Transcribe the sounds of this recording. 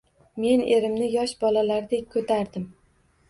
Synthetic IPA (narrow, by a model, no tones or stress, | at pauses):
me̞ne̞ɾɪmnɪjɒʃbɒlalaɾd̪e̞kʲkʰɵt̪ʰaɾd̪ɪm